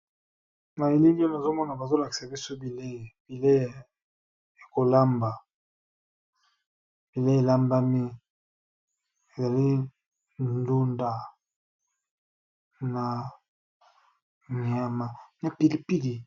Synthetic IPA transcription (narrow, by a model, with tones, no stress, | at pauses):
na˨e˨li˦li˦a˦na˨zo˦mɔ˦na˨ba˨zo˦la˨ki˨sa˨bi˦so˦bi˨le˦e˨b̥i˨le˦˨ | e˨ko˨la˦mba˨ | b̥i˨le˦e˨la˦mba˦mi˦ | e˨za˨li˦ | nndu˦nda˨ | na˨ | ɲi˨a˨ma˨na˨pi˨li˨pi˦li˨